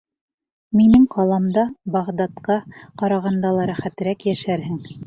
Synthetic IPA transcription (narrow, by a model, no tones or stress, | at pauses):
minɘŋqɑlˠɑmd̪ɑbɑʁd̪ɑt̪qɑqɑɾɑʁɑnd̪ɑlˠɑɾæχæt̪ɘ̆ɾækjæʃæɾɦɘŋ